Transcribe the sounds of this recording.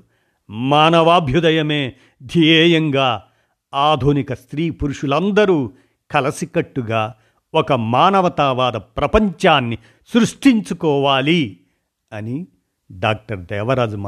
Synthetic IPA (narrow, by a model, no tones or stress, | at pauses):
maːnɐʋaːbʱjud̪ɐjɐmeː | d̪ʱijɛːjɐŋɡaː | aːd̪ʱunikɐst̪ɾiːpuɾuʂulɐnd̪ɐɾuː | kɐlɐsikɐʈːuɡaː | ɔkɐmaːnɐʋɐt̪aːʋaːd̪ɐpɾɐpɐɲt͡ʃaːnːi | sɾuʂʈiɲt͡ʃukɔːʋaːli | ɐni | ɖaːk̚ʈɐɾd̪ɛːʋɐɾaːd͡ʒum